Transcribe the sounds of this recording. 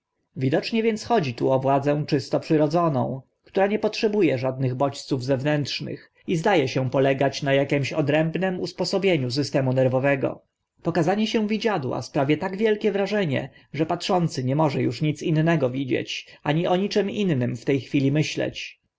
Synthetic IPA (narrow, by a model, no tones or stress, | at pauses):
vʲid̪ɔt͡ʂɲɛvʲjɛnt̪sxɔd͡ʑit̪uɔvwad̪zɛw̃t͡ʂɘst̪ɔpʂɘɾɔd̪zɔnɔ̰̃w̃ | kt̪uɾaɲɛpɔtʂɛbujɛʐad̪̚nɘɣbɔt͡ɕt̪suvzɛvnɛntʂnɘ̰x | izd̪ajɛɕɛpɔlɛɡat͡ɕnajakʲɛmɕɔd̪ɾɛmbnɛmṵspɔsɔbʲjeɲus̬ɘst̪ɛmunɛɾvɔvɛɡɔ̰ | pɔkazaɲɛɕɛ̃vʲid͡ʑad̪wa̰spɾavʲjɛt̪aɡvʲjɛlkʲɛvɾaʐɛɲɛ̰ | ʐɛpatʂɔnt̪sɘɲɛmɔʐɛjuʂɲit̪sinːɛɡɔvʲid͡ʑḛt͡ɕʔaɲiʔɔɲit͡ʂɛminːɘmft̪ɛjxfʲilʲimɘɕlɛ̰t͡ɕ